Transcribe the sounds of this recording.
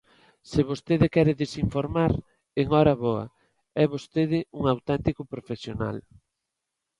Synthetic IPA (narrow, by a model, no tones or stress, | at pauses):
sɪβost̪eðɪkɛɾɪðesiɱfoɾmaɾ | eŋɔɾɐβɔɐ̰ | ɛβost̪eðɪuŋawt̪ɛnt̪ikʊpɾofesjona̰l